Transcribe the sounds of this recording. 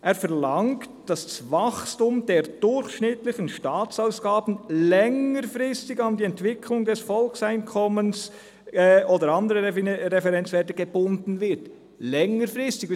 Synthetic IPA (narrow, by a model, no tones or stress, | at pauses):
ʔeːɾfɛɾlɑŋktd̥ɑsdsvɑχstʊmd̥eːɾd̥ʊɾçʃnɪtlɪçənʃtaːt͡saʊsɡ̥aːb̥n̩lɛŋəɾfʁɪstɪɡɑndiːɛntvɪkʰlʊŋdɛsfɔlksaɪnkʰɔməns | oːdəɾɑndəɾəɾɛfɛʁɛnt͡svɛːɐtəɡ̥eb̥ʊndn̩vɪt | lɛŋəɾfʁɪstɪɡ